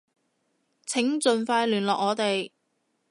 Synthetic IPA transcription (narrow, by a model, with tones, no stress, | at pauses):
t͡sʰɪ˨˥ŋt͡sɵ˨nfaː˧jlyː˨˩nlɔː˨k̚ŋɔː˨˧t̪e˨j